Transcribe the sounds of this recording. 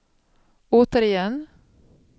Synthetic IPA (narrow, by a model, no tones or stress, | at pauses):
oːt̪əɾɪjɛnː